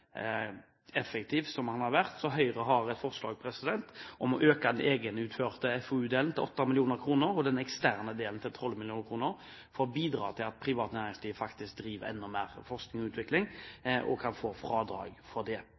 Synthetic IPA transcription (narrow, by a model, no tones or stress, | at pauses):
ɛfəkt̪ʰiːfsɔmhɑnhɑʁʋæʁt̪sɔɦœʏʁəɦɑʁɛt̪fɔʁslɑ̰ːɡpʰɾɛsɪd̪ɛnt̪ʔɔmɔʔøːkad̪ɛnʔeːɡənʉːt̪føːʁt̪əɛfɔʉːd̪eːln̩t̪ɪlʔɔt̪ːɑmɪlɪuːnəɾkʰɾuːnəɾɔd̪ɛnɛkst̪æːʁnəd̪eːln̩t̪ʰɪlt̪ʰɔlmɪlɪuːnəkʰʁuːnəʁ | fɔʁbiːd̪ʁɑ̰ːt̪ʰɪlɑt̪̚pʰʁɪʋɑːt̪næːʁɪŋsliːʋfɑkt̪ɪsk̚d̪ɾiːʋəɾɛ̰nːɔmeːʁfɔʁsknɪŋɔʉːt̪ʋɪklɪŋʔɔ̰kʰɑnfoːfɾɑːd̪ɾɑ̰ːɡfɔʁd̪ɛ